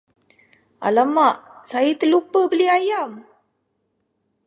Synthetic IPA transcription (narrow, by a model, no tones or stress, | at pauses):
a̰lamaʔsajit̪əlupəhbəliajam